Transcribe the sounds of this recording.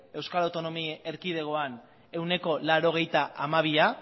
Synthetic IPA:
e̞wskalawt̪o̞no̞mieɾkið̞e̞ɣ̞o̞an | e̞wne̞ko̞laɾo̞ɣ̞e̞jt̪aʔamaβ̞ia

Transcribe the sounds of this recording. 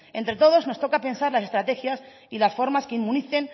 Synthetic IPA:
ẽ̞nt̪ɾe̞t̪o̞ð̞o̞zno̞st̪o̞kape̞nsaɾlas̬e̞st̪ɾat̪e̞xjas | ilasfo̞ɾmaskeimːũniθe̞n

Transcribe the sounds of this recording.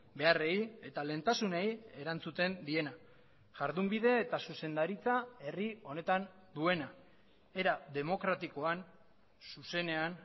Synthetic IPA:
be̞are̞je̞t̪ale̞ːnt̪asuneje̞ɾant͡sut̪e̞nd̪ie̞na | ʝaɾðumbið̞e̞ːt̪asuse̞nd̪aɾit͡sae̞rio̞ne̞t̪an | d̪ue̞na | e̞ɾaðe̞mo̞kɾat̪iko̞an | suse̞ne̞an

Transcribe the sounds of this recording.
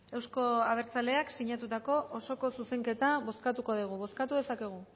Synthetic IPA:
e̞wsko̞aβ̞e̞ɾt͡sale̞aksiɲat̪ut̪ako̞ʔoso̞ko̞suse̞ŋke̞t̪aβo̞skat̪uko̞ðiɣ̞uβ̞o̞skat̪uðe̞sake̞ɣ̞u

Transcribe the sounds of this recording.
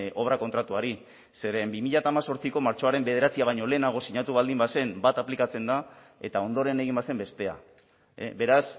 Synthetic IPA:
o̞β̞ɾako̞nt̪ɾat̪uaɾi | se̞ɾe̞mbimiʎat̪aːmaso̞ɾt͡siko̞maɾt͡ʃo̞aɾe̞mbe̞ð̞e̞ɾat͡siaβ̞ajɲo̞le̞ːnaɣ̞o̞siɲat̪uβ̞ald̪imbase̞mbat̪aplikat͡se̞nd̪a | e̞t̪ao̞nd̪o̞ɾe̞ne̞ɣimbase̞mbe̞st̪e̞a̰ | be̞ɾas

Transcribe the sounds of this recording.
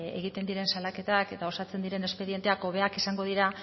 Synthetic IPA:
ḛɣit̪e̞nd̪iɾe̞nsalake̞t̪ake̞t̪ao̞sat͡se̞nd̪iɾe̞ne̞spe̞ðiet̪e̞ako̞βe̞akisaŋɡo̞ðiɾa

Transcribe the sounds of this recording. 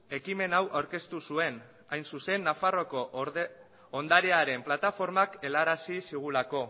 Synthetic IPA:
e̞kime̞nawʔawɾke̞st̪usue̞n | ajnsuse̞nːafaro̞ko̞ | nd̪aɾeaɾe̞mplat̪afo̞ɾmake̞laɾasisiɣ̞ulako̞

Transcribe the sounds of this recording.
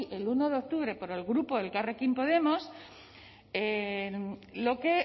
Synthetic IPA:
ʔe̞luno̞ðeo̞k̚t̪uβɾe̞po̞ɾe̞lɣɾupoðe̞lkarekimpo̞ðe̞mo̞s | e | lo̞ke̞

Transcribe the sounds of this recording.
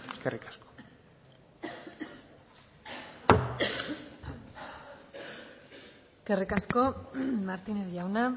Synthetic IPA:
eskerikḁsko̥ | eske̞rikasko̞maɾt̪ineðʝawna

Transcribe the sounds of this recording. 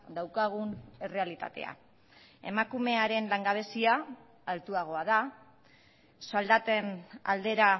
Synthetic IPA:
d̪awkaɣ̞une̞re̞alit̪a̰t̪e̞̰a̰ | e̞̰makume̞aɾe̞nlaŋɡaβ̞e̞siaː | lt̪uaɣ̞o̞að̞a | sald̪at̪ena̰ld̪e̞ɾa

